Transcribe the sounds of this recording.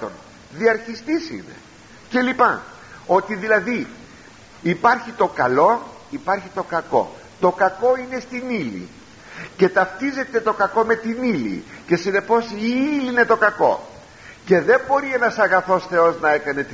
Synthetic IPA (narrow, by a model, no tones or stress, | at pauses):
o̰n | ðiɐɾçist̪isḭne̞̰ | ce̞lipɐ̰ | o̞t̪iðilɐði | ipɐɾçit̪o̞kɐlo̞ | ipɐɾçit̪o̞kɐko̞̰ | t̪o̞kɐko̞ine̞st̪inilḭ | ce̞t̪ɐft̪ize̞t̪e̞t̪o̞kɐko̞me̞t̪inilḭce̞sine̞po̞siiline̞t̪o̞kɐko̞̰ | ce̞ðe̞mbo̞ɾienɐsɐɣɐθo̞sθe̞o̞znɐe̞kɐne̞t̪